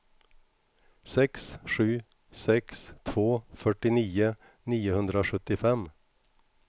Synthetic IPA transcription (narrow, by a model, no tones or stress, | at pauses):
sɛksʂʉ̟ː | sɛkst̪ʰvoːfœʈːɪniːʊ | niːʊhɵnd̪ɾaoɧɵt̪ːɪfɛm